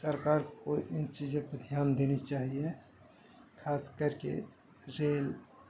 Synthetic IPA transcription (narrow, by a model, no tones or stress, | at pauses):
səɾkaːɾkoʔɪnt͡ʃid͡ʒẽpd̪ʱjaːnd̪eːnit͡ʃaːɦie | kʰaːskəɾkḛ | ɾeːl